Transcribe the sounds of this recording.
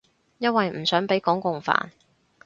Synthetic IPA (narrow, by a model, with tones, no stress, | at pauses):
jɐ˥t̚wɐ˨jm̩˨˩sœː˨˥ŋpe˨˥jkɔː˨˥ŋkʊ˨ŋfa̰ː˨˩n